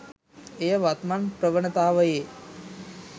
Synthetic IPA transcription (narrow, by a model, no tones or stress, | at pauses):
ejəʋat̪manpɾəʋəɳət̪aːʋəjeː